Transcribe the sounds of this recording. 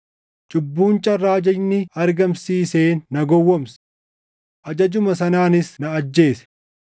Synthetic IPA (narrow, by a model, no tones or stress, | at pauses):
t͡ʃʼʊbːuːnt͡ʃʼɐrːaːd͡ʒɐjnɪɐɾɡɐmsiːse̞ːnːɐɡɔwːɔms | ʔɐd͡ʒɐd͡ʒʊmɐsɐnaːnɪsnɐːd͡ʒːe̞ːsɛ̥